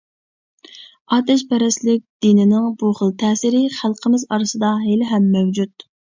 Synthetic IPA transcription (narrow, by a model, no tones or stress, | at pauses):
ɑːt̪ɛʃpɛɾɛslɪk̚ʲd̪̥inɪnɪŋbuχəlˠt̪ʰɛːsɪɾɪχælˠqʰəmɪzɑɾɨsɨd̪ɑɦelɪɦɛmːɛwd͡ʒut̪